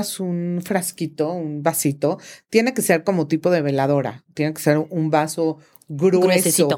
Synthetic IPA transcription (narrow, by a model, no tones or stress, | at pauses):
sunfɾaskit̪o̞unbasit̪o̞t̪je̞ne̞ke̞se̞ɾko̞mot̪ipo̞ðeβe̞laðo̞ɾa̰t̪je̞ne̞kese̞ɾumbaso̞ | ɣɾweessio